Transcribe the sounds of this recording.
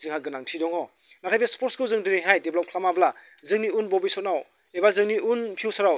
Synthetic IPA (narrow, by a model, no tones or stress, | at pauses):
zɯŋɦaɡɯnaŋtʰidɔŋɔ | natʰajbespʰɔɾt̚skɯwzɯŋdiɾeŋɦajdeblɔp̚kʰlamabla | zɯŋniunbɔbijsɔt̚naw | ebazɯŋniunpʰiwsaɾaw